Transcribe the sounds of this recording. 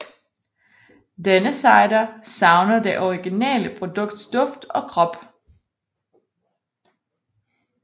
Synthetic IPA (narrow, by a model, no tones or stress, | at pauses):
d̥enəsɑ̈ɪɾɐsɑ̈ʊnɐd̥e̝ʔɒʁiɡ̥inɛ̰ːləpʰʁo̝d̥ɔ̽ɡ̥̚d̥sd̥ɔ̽fd̥ɒ̽kʰʁɒ̽b̥